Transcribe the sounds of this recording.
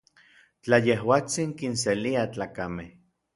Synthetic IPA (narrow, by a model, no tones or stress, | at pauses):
t͡ɬajehwaːt͡siŋkinseliat͡ɬaːkameh